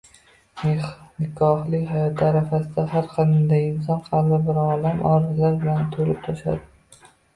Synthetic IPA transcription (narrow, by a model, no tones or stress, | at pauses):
nnɪkʰɒhlɪkʲhajɒt̪ʰaɾafasɪd̪ahaɾqʰɑnd̪ajɪnsɒnqʰɑlbɪbɪɾɒlamʔɒɾɪzlaɾbɪlant̪ʰolɪp̚t̪ʰɒʃa̰d̪ɪ